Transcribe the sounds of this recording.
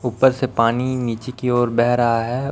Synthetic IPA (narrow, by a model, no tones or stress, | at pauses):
uːpəɾsepaːniniːt͡ʃekioːɾbɛɦɾɐɦaɦɛː